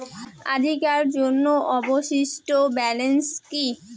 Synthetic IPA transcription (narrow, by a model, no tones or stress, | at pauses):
a̰d̪ʱikaɾd͡ʑonːoʔɔboʃiʃʈobɛlenski